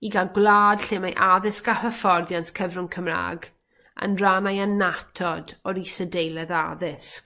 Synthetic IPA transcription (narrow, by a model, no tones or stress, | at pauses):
iɡalɡwlˠaːd̥ɬeːmajʔaðɪskahəfɔrðjantʰkʰəvrʊŋkʰəmra̰ːɡ | ə̰nranajanatʰɔdɔɾisədejlˠɛðaðɪsk